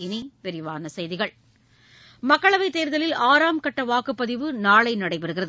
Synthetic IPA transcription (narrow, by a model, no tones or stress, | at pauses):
ɪnipɛɾɪʋaːnɐsɐjðɪɣɐɭ | mɐkːɐɭɐʋɐɪt̪ːeːɾðɐlɪlaːɾaːmkɐʈːɐʋaːkɯpːɐðɪʋɯnaːɭɐɪnɐɽɐɪpɐɾɯɣɪrɐðɯ